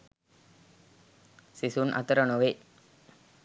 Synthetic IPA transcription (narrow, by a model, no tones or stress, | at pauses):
sisunʔɐ̰t̪əɾənoʋe